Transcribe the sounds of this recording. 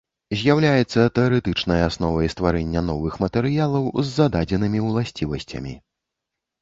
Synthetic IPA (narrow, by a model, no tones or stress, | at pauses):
zʲjawlʲajɛt̪sːɐt̪ɛɔɾɛt̪ɨt͡ʂnɐjasnɔvɐjst̪vaɾɛnʲːɐn̪ɔvɨxmɐt̪ɛɾɨjalˠɐwzːad̪ad͡zʲɛnɨmʲiwlˠasʲt͡sʲivɐsʲt͡sʲɐ̰mʲḭ